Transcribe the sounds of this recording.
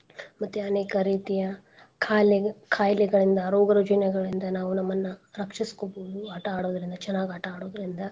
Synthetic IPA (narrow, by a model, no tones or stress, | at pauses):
mɐt̪ːuɐneːkɐɾiːt̪ijɐ | kʰaːlɛkʰaːjlɛɡɐɭind̪ɐɾoːɡɐɾɐd͡ʒɐnɐɡɐɭind̪ɐnaːʋunɐmːɐnːɐɾɐkʂiskoboːd̪uɐʈɐaːɽoːd̪ɐɾind̪ɐt͡ʃɐnːaːɡiɐʈɐaːɽoːd̪ɐɾind̪ɐ